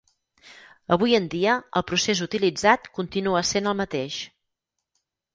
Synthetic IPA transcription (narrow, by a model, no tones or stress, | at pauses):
əβ̞ujənd̪iəəlˠpɾusezut̪ilid͡zat̪kunt̪inuəsenəlˠmət̪eʃ